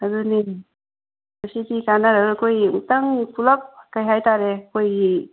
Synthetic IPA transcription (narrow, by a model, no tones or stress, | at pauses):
aduni | mɐsidikanaɾadukʰojmutaŋipʰulɐp̚kajɦajtaɾekʰojɡi